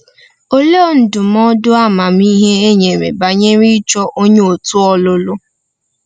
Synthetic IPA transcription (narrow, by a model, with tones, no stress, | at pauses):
o˦lo˦˨n̩˨dʊ˨mɔ˦dʊ˦a˦˨ma˨mi˦ɦe˦e˦ɲe˨mḛ˨ba˨ɲe˦ɾi˦t͡ʃɔ˦ʔo˦ɲe˦o˨tʊ˦ɔ˦lʊ˦lʊ˦